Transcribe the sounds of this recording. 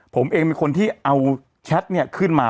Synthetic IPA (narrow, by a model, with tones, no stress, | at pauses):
pʰo˩˦mʔeː˧ŋmiː˧kʰo˧nt̪ʰiː˥˩ʔa˧w | t͡ɕʰɛ˦˥t̪̚ni˥˩ɐkʰɯ˥˩nmaː˧